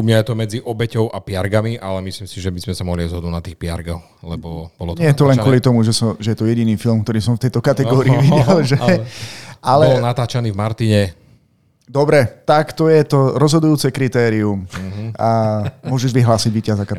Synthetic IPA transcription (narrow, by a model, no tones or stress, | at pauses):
umɲajɛt̪ɔmɛd͡ziʔɔbɛcɔʊʔapɪaɾɡamiʔalɛmisliːmsiʒɛbizmɛsamɔɦliajzɦɔd̪nunat̪iːxpɪaɾɡɔx | lɛbɔb̥ɔlɔtɲɲɛjɛt̪ɔlɛŋkkʊɔlit̪ɔmuʒɛsɔmʒɛjɛt̪ɔjɛɟiniːfilmk̚t̪ɔɾiːsɔmft̪ɛjt̪ɔkat̪ɛɡɔːɾiiʋiɟɛlʒɛ | alɛɔnat̪aːt͡ʃaniːvmaɾt̪iɲɛ | d̪ɔbɾɛt̪akt̪ɔjɛt̪ɔɾɔzɦɔd̪ujuːt͡sɛkɾit̪ɛːɾiumamʊɔʒɛʒʋiɦlaːsiɟʋiːcazak